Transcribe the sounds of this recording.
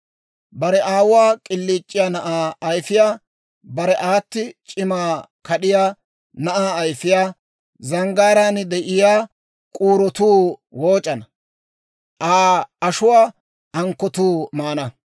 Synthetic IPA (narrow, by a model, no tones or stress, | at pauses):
bɐɾɛʔaːwwaːkʼɪlːiːt͡ʃʼːɪjaːnɐʔaːɐjfɪjaː | bɐɾɛʔaːt̪ːɪt͡ʃʼɪmaːkʰɐɗɪjaː | nɐʔaːjfɪjaː | zɐŋɡaːɾaːnd̪ɛʔɪjaː | kʼuːɾɔt̪uːwoːt͡ʃʼɐnɐ | ʔaːɐʃʊwaː | ɐŋkːɔt̪uːmaːnɐ